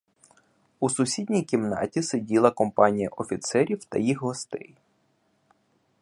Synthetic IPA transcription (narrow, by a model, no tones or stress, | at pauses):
usʊsʲidʲnʲijkʲimnɑ̰tʲisedʲilˠɐkɔmpɑnʲijɐ̰ʔɔfʲit̪sɛɾʲiwt̪ɐ̰jixɦɔst̪ɛ̰j